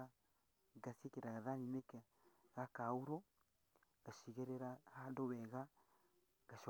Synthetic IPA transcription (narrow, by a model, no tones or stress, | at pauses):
a | ɡasiekeɾaɣaðanineka | ɣakauɾo | aʃiɣeɾeɾahandoβɛɣa | ɡ̥aʃ